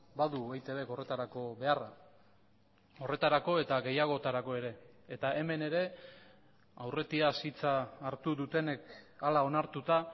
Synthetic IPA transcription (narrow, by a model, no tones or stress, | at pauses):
baðuβajt̪eβe̞ko̞ret̪aɾako̞βe̞ara | o̞re̞t̪aɾako̞e̞t̪aɣe̞jaɣ̞o̞t̪aɾako̞e̞ɾe̞ːt̪ae̞me̞ne̞ɾe̞ | awre̞t̪iasit͡saːɾt̪uðut̪e̞ne̞kalao̞naɾt̪ut̪a